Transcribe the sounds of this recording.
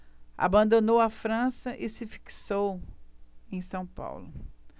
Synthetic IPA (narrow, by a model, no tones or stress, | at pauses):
a̰bɐ̃nd̪onowɐfɾɐ̃sɐʔɪsɪfi̥ksow | ẽj̃sɐ̃w̃pa̰wlʊ